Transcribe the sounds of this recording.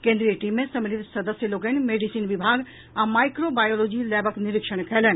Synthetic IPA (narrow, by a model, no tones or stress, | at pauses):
kẽnd̪ɾijəʈiːmːẽsɐmɪlit̪sɐd̪əsjəloːɡənmeːɖisiːnʋɪbʱaːɡ | ãmaːɪkɾobaːjoːloːd͡ʒilɛːbəknɪɾɪkʃəɽ̃kʰɛːlən